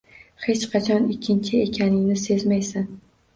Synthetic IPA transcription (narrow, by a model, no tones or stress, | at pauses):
he̞t͡ʃqʰɑt͡ʃʰɒnɪkʲʰːɪnt͡ʃʰɪekʲʰanɪŋnɪsezmajsan